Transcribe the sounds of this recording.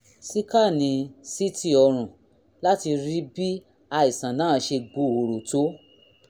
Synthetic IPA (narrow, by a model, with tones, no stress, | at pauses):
si˦ka˦˨nĩ˧˦si˦ti˦ɔ˧ɾ̃ũ˨ | la˦ti˧ɾi˦bi˦ | a˧i˨sã˨nã˨˦˨ʃe˧ɡ͡bo˧˨o˨ɾo˨to˨˦